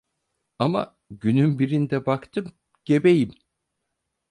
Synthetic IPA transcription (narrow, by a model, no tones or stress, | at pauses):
ama̰ | ɟynymbiɾind̪ɛbakt̪ʰɯm | ɟ̥e̞bejim